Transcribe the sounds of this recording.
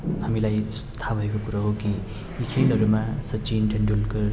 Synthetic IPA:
ɦamilajt̪ʰabʱʌekokuɾaɦokĩ | ikʰelɦʌɾumasʌt͡sinʈʰʌɳɖulkʌ

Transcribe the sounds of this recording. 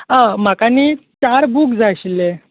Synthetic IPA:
amakaniːt͡ɕaɾbuːkd͡zaɕile

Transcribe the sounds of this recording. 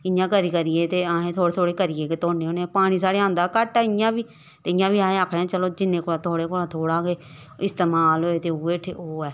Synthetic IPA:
ɪjãːkəɾiːkəɾɪjeːt̪eːaːẽːt̪ʰoːɽeːt̪ʰoːɽeːkəɾiːeːket̪oːneːõːneːpaːɽ̃iːs̬aːɽeːãːnd̪aːkəʈaːɪjãːbiː | t̪eːɪjãːbiːaːẽːakʰɽɛ̃ːt͡ʃəloːd͡ʒɪnːẽːkoːɽãːt̪ʰoːɽeːkoːɽaːt̪ʰoːɽaːkeː | ɪst̪eːmaːlɦoːeːt̪eːuːeʈʰḛːoːɛː

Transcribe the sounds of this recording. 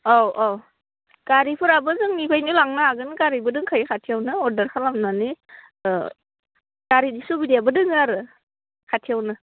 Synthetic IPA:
awʔaw | kaɾipʰɯɾabɯzɯŋnikʰajnilaŋnaaɡɯnkaɾibɯdɯŋkʰajkʰatʰijawnɯɔɾdɐɾkʰalamnani | kaɾidisubidijabɯdɯŋaɾɯ | kʰatʰiawnɯ

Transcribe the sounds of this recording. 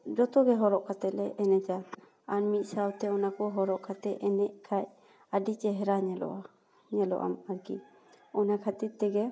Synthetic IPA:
d͡ʒɔt̪ɔɡɛɦɔɾɔʔkʰat̪ɛlɛʔɛnɛd͡ʒa | anmit̪̚ˀsawt̪ɛɔnakɔɦɔɾɔʔkʰat̪ɛɛnɛʔkʰac | adit͡ʃɛɦɛɾaɲɛlɔ̰ʔa | ɲɛlɔ̰ʔa̰maɾkḭ | ɔnakʰat̪it̪t̪ːɛɡɛ

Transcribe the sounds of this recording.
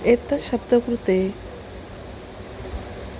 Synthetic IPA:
et̪ʃɐb̚d̪ʱəkɾut̪e

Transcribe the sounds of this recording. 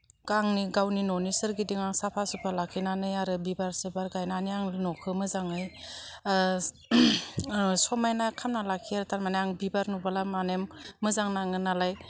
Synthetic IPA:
kaŋniɡawninɔnisɯɾɡidiŋaŋsapʰasɯpʰalakʰinanɯjaɾɯbibaɾsɯbaɾɡajnaniaŋɯnɔkʰɯmɯzaŋɯj | sɔmajnakʰamnalakʰiaɾɯtʰaɾmanaaŋbibaɾnubalamanemːɯzaŋnaŋɯnalaj

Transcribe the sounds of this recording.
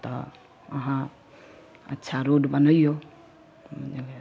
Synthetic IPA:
t̪ɔ̰ | ə̰ɦã | ə̰tːʃʰaɾoɖbənəijo | d͡ʒɡ

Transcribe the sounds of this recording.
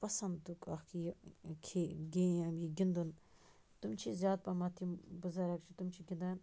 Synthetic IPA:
pɐsɐnd̪d̪ukɐxkijkʰeɡẽɐmiɡʲind̪un | t̪umt͡ʃʰizjaːd̪̚pɐmɐt̪ʰimbuzɐɾɐk̚t͡ʃʰit̪umt͡ʃʰiɡind̪an

